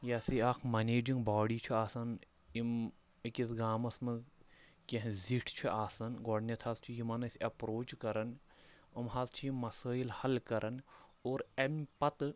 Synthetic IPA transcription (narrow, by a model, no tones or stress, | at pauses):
jaːsiaːkʰmɐneːd͡ʒiŋɡbaːɽiːt͡ʃʰuaːsɐn | im | ikʲis̬ɡaːmɐsmɐnz | kʲeɦziʈʰt͡ʃʰuʔaːsɐnɡɔːɖnʲɐt̪ʰaːzt͡ʃʰujimɐnɐsiɐpɾoːt͡ʃkɐɾɐn | ɐmɦaːzt͡ʃʰiimːɐsaːjilhɐlkɐɾʔɐnoːɾɐmpɐt̪